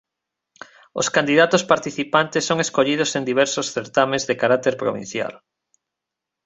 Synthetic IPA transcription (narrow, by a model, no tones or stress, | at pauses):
o̰skand̪iðat̪ospaɾt̪iθipant̪esːoŋeskoʎiðosend̪iβ̞ɛɾsosθeɾt̪amezðekaɾat̪eɾpɾo̰βḭ̃n̟θja̰l